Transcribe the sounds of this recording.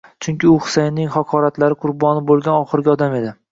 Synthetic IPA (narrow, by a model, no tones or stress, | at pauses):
t͡ʃʰʊŋkʲɪʊhʊ̥sejnːɪŋhɒqʰɒɾat̪laɾɪqʰʊɾbɒnɪbolˠɡʲanɒχɨɾɡʲaɒd̪ame̞d̪ɪ